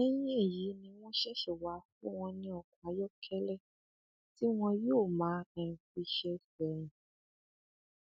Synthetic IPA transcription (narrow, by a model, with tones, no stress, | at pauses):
ɛ˦j̃ĩ˦e˦˨ji˨˦nĩ˧w̃ɔ̃˦ʃɛ˦ʃu˨wa˨˦fu˦w̃ɔ̃˧nĩ˧ɔ˨kũ˨a˨˦jɔ˦kʰɛ˦lɛ˦˨ | ti˦w̃ɔ̃˧joː˦˨mãː˨˦ɛ̃˧˨fi˧ʃɛ˧sɛ˨ɾ̃ĩ˨